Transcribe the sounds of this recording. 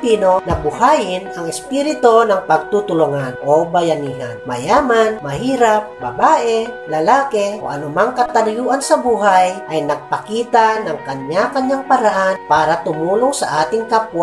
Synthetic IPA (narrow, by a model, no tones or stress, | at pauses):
pinonabuhajɪnaŋɛspiɾɪt̪onaŋpaɡ̚t̪ut̪ʊluŋanʔobajaniɦa̰nma̰jaːmanmahiːɾap̚ba̰baːʔɛlalaːkɛʔo̰ʔa̰nʊmaŋkat̪anjuʔansabuːɦajʔajnɐɡ̚pakiːt̪anaŋkaɲːakaɲɲaŋpaɾaɦanpaːɾat̪ʊmuːlʊŋsa̰ʔaːt̪ɪŋkapwa